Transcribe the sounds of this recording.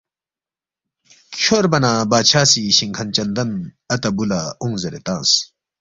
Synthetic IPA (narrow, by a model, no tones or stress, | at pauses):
kʰoɾbɐnaːbaːt͡ɕʰaːsiɕiŋkʰɐnt͡ɕɐnd̪ɐn | ɐt̪ɐbulauŋzɐɾet̪ãːs